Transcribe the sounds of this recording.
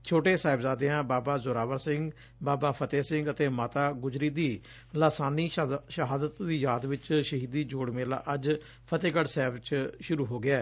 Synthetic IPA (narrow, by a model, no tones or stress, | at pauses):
t͡ʃʰoːʈeːsaːɪbzaːd̪ejãːbaːbaːzʊɾaːʋəɾsɪ̃ŋɡ | baːbaːpʰət̪eːsɪ̃ŋɡət̪eːmaːt̪aːɡʊzɾiːd̪iː | laːsaːniːʃəɦaːd̪ət̪ːiːjaːd̪ʋɪt͡ʃʃəɦiːd̪iːd͡ʒoːɽmeːla̰ːʔəd͡ʒ | pʰət̪eːɡəɽsɛːbt͡ʃʃʊɾuːɦoːɡɪɛː